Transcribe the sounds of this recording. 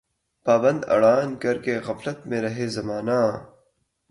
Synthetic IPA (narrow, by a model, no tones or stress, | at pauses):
paːbɐ̃nd̪ɐ̰ɽaːnkɐɾkeɣɐflɐt̪mẽɾɐɦezɐmaːnaː